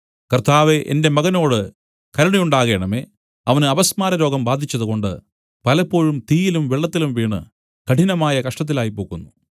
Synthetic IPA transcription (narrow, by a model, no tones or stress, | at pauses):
kɐrt̪aːʋe̞ʔḛnde̞mɐɣɐno̞ːɽɨ | kɐɾɐɳijuɳɖaːɣe̞ːɳɐme̞ː | ɐʋɐnɨɐbɐsmaːɾɐɾo̞ːɡɐmbaːd̪ʱit͡ɕːɐðuko̞ɳɖɨ̰ | pɐlɐpːo̞ːɻumt̪iːjilumʋiɭːɐt̪ːilumʋiːɳɨ̰ | kɐʈʰinɐmaːjɐkɐʂʈɐt̪̬ːilaːjipo̞ːɣunːu